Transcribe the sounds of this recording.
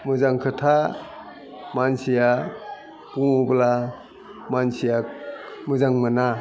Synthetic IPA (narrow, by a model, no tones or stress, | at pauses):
mɯzaŋkʰɯtʰa | mansija | kuŋubla | mansijamɯzaŋmɯna